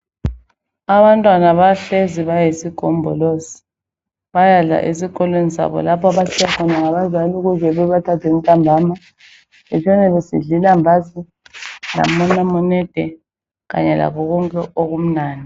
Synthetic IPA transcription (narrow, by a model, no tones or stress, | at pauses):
aβantʼwanaβaɬeziβajesiɡ̥ʱɔmbʱɔ̰losi̥ | βajaɮa̰ʔesikʼɔlwenisa̰βɔ̰lapʰɔaβat͡ʃʰijakʰɔnaŋaβazaluɣuzɛβɛβatʰatʰem̩tʼambʱaːma | ɛt͡ʃʰɔnɛβesḭɮilambʱasi | la̰mɔnamɔnɛd̥ʱɛ | ɣa̰ɲɛla̰kɔɣɔŋkʼɛʔoɣum̩naːni